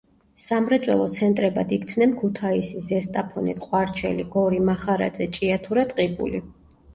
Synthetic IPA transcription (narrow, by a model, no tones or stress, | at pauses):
samɾɛt̪sʼwɛ̰lˠɔt̪sʰɛnt̪ʼɾɛba̰d̪ik̚t̪sʰnɛnkʰut̪ʰaisizɛst̪ʼapʰɔnit̪qʼwaɾt͡ʃʰɛ̰liɡɔɾimaχaɾa̰d̪zɛt͡ʃʼiat̪ʰuɾat̪ʼqʼibṵli